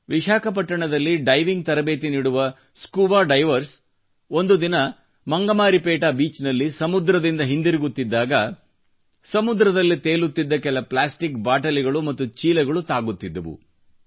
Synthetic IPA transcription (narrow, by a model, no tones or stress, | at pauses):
ʋiʃaːkɐpɐʈːɐɳɐd̪ɐlːiɖɐjʋiŋɡ̚t̪ɐɾɐbe̞ːt̪̬iniːɽuʋɐ | skuːʋaːɖɐjʋɐɾs | o̞nd̪ud̪inɐ | mɐŋɡɐmaːɾipeːʈaːbiːt͡ʃnɐlːisɐmud̪ɾɐd̪ind̪ɐɦind̪iɾiɡut̪ːid̪ːaːɡɐ | sɐmud̪ɾɐd̪ɐlːit̪eːlut̪ːid̪ːɐkɛlɐplaːsʈikbaːʈɐliɡɐɭumɐt̪ːut͡ʃiːlɐɡɐɭut̪aːɡut̪ːid̪ːɐʋṵ